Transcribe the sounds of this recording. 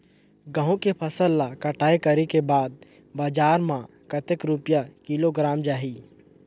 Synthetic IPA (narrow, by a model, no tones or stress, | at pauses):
ɡə̃ɦõkepʰəsəlːakəʈʰaːekɐɾikebaːd̪̚ | baːd͡ʒaːɾmã | kət̪ekɾʊpjakiloɡɾaːmd͡ʒaːɦiː